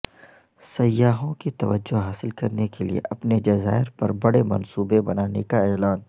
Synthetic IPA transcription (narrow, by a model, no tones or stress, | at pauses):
sɐjːaːɦõkit̪ɐʋəd͡ʒːoɦaːsɪlkɐɾnekeliḛʔɐpned͡ʒɐza̰ːɪɾpɐɾbɐɽemɐ̰nsuːbebɐnaːnekaɛːlaːn